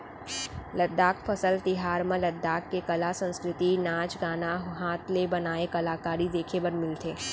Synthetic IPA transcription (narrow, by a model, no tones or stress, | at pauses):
lɐd̪ːaːkʰpʰɐsəlt̪ɪɦaːɾmẽlɐd̪ːaːkːekɐlasə̃nskɾɪt̪inaːt͡ʃɡaːnaɦaːt̪ʰlebɐnaːekɐlaːkaːɾid̪eːkʰebɐɾmɪlt̪ʰeː